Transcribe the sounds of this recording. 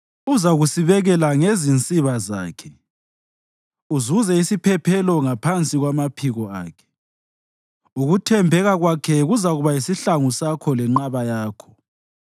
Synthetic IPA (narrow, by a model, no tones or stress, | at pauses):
uzaɣusiβɛɣɛlaŋezint͡sʼiβaza̰ːkʰɛ̥ | uzuzɛisipʰɛpʰɛlɔŋapʰant͡sʼiɣwamapʰiɣɔa̰ːkʰɛ̥ | uɣutʰɛmbʱɛɣaɣwakʰɛɣuzaɣuβaisiɬaŋusakʰɔlɛŋ͡ǃaβajaːkʰɔ̥